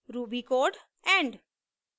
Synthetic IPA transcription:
ɾuːbikoːɖ | ɛ̃ɳɖ

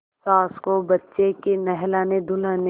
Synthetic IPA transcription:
saːskobɐtːʃekenɛɦlaːned̪ʱʊlaːne

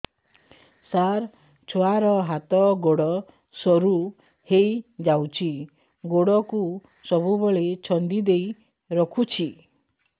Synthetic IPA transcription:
saɾ | t͡ʃʰoaɾɔɦat̪ɔɡoɽɔ | sɔɾu | hejd͡ʒawt͡ʃʰi | ɡoɽɔku | sɔbubɔɭet͡ʃʰɔnd̪id̪ej | ɾɔkʰut͡ʃʰi

